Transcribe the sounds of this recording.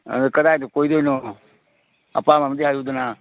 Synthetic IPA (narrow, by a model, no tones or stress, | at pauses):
ə̰ekəd̪aːt̪okoːid̪oːnõː | ə̰pãːmamd̪ead͡ʒuːd̪ənaː